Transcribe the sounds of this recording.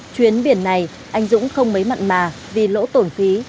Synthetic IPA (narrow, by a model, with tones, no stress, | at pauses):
t͡ɕwi˨˦ənɓi˧˩ənːa˨˩j | ʔa˨˦jŋ̟zʊ̰˧˥ŋ͡mxə˧wŋ͡mmə˨˦jma̰˧˨jŋmaː˨˩ | vi˨˩lo̰˧˥t̪o˧˩nfi˨˦